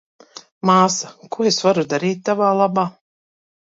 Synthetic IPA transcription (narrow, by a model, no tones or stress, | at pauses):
maːsakuɔesvaɾud̪aɾiːt̪̚ʲːavaːlˠabaː